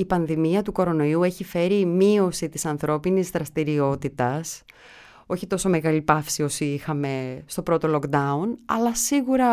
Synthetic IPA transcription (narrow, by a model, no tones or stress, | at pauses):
ipɐnðimiɐt̪uko̞ɾo̞no̞iue̞çife̞ɾimio̞sit̪isɐnθɾo̞pinizðɾɐst̪iɾio̞t̪it̪ɐs | o̞çit̪o̞so̞me̞ɣɐlipɐfsio̞siixɐme̞st̪o̞pɾo̞t̪o̞lo̞kd̪ɐunɐ̰lɐsiɣuɾɐ